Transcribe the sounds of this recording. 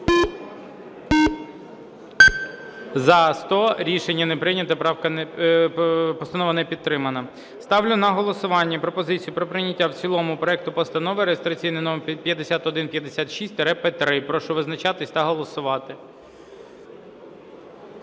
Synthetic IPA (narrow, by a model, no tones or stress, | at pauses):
zɐst̪ɔɾʲiʃenʲːɐnɛpɾɪnʲɐt̪ɐpɾɑwkɐ | pɔst̪ɐnɔʋɐnɛpʲid̪̚t̪ɾɪmɐnɐ | st̪ɑwlʲʊnɐɦɔlˠɔsʊʋɑnʲːɐpɾɔpɔzɪt͡sʲijʊpɾɔpɾɪnʲɐtʲːawt͡sʲilˠɔmʊpɾɔɛk̚t̪ʊpɔst̪ɐnɔʋɪɾejest̪ɾɐt͡sʲijnɪnɔmɛpʲjɐd̪esʲat̪ɔd̪ɪnpʲjɐd̪esʲat̪ʃisʲt̪ʲɾɛpɛt̪ɾɪpɾɔʃʊʋɪznɐt͡ʃɑt̪ɪsʲt̪ɐɦɔlˠɔsʊʋɑt̪ɪ